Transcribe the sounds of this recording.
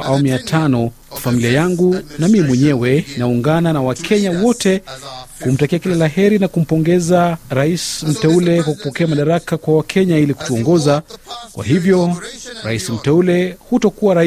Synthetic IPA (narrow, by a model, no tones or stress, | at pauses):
ʔawamujatʰanɔ | afamiliajaŋɡunamimwɛɲɛwɛnauŋɡananawakʰɛɲawɔtɛhum̩takiakilalaɦɛɾinakum̩pɔŋɡɛzaɾaism̩tɛulɛkwaku̥pɔkɛamaɗaɾakakwawakʰɛɲailiku̥tuɔŋɡɔzakwa̰ɦivjɔɾaisim̩tɛulɛhutɔkuwaɾa